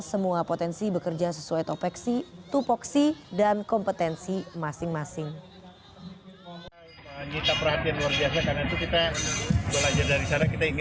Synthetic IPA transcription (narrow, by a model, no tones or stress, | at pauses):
səmuapot̪ɛnsibəkərd͡ʒasəsuajt̪ɔpɛksit̪upɔksidankɔmpət̪ɛnsimasɪŋmasɪŋ | əɲit̪apərhat̪ianluwarbiasakarnait̪ukit̪abəlad͡ʒardaɾisaɾakit̪aiŋ